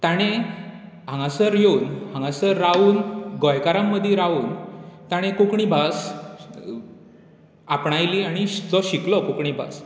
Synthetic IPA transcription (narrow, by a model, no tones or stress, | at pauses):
t̪aɽ̃e | ɦãŋɡasəɾjeunhãŋɡasəɾːauːnɡɔjkaɾamːəd̪ʱjeɾauːnt̪aɽ̃ẽkukɳibʱas | apɳajliaɽ̃id͡zɔɕiklɔkukɳibʱa̰s